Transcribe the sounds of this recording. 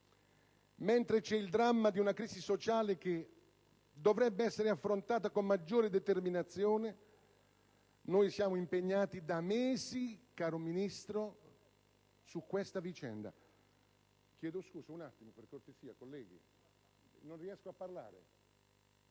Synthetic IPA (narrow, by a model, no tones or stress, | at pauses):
ment̪ɾet͡ʃɛild̪ɾamːad̪iunakɾiːsisot͡ʃaːlek̟e | d̪ovɾɛbːeɛsːeɾeafːɾont̪aːt̪akomːad͡ʒːoːɾed̪ɛt̪erminat̪sːjoːne | nojsjaːmoimpeɲːaːt̪id̪ameːzikaːɾominist̪ɾo | sukːwest̪avit͡ʃɛ̰nd̪a̰ | k̟jɛːd̪oskuːsaunat̪ːimoperkort̪esiːakolːɛːɡḭ | nonriɛskoapːarla̰ːɾḛ